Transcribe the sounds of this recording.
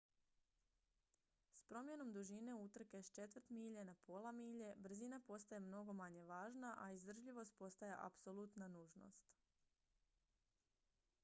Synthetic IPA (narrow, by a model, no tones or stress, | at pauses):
spɾo̞mje̞no̞md̪uʒine̞ut̪r̩kest͡ʃe̞t̪ʋər̩t̪miːʎenapʰo̞lˠamiːʎe̞br̩zinapo̞st̪ajemno̞ɡo̞maɲe̞ʋaːʒnaʔaizd̪r̩ʒʎiʋo̞st̪̚po̞st̪ajeʔa̰pso̞lˠut̪nanuːʒno̞̰st̪